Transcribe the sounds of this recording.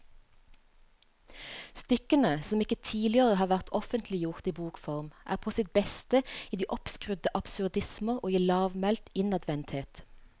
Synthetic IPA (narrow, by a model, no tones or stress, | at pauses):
st̪ʏkənəsɔmɪkət̪ʰiːlɪəʁəhɑːʁʋæʁt̪ʰɔfənt̪ʰlɪjʊʁt̪iːbuːkfɔʁmʔæ̰ːʁpʰoːsɪt̪̚bɛst̪əiːd̪iːʔɔpskʁʉd̪əʔɑpsʉʁd̪ɪsməʁoːiːlɑːʋmɛlt̪ɪnɑd̪ʋɛnt̪heːt̪